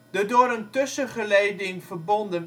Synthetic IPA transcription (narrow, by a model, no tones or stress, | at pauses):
d̥adoːɾəntɵsəχəlejdɪŋvərbɔndən